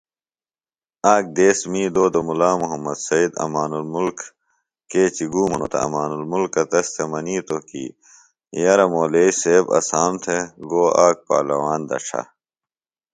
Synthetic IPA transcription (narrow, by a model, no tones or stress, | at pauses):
aːk̚d̪eːsmiːd̪oːd̪ɐmulaːmuɦɐmːɐd̪sɐid̪ɐ̰maːnulmulkː | eːt͡ɕiɡuːmɐno̰t̪ɐ̰ɐ̰maːnulmulkɐt̪ɐst̪ʰemɐniːt̪okḭː | jɐɾɐmoːleːiseːbɐ̰saːmt̪ʰeɡoːaːk̚pa̰ːlɐwaːnd̪ɐ̰ʈ͡ʂʰa̰